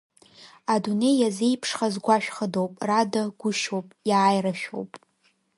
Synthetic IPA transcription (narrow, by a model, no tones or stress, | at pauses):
adune̞jazejpʰʂχazɡʷaʃᶣχədowpʼradaɡʷʊʃo̞wpʼjaːjraʃᶣo̞̰wpʼ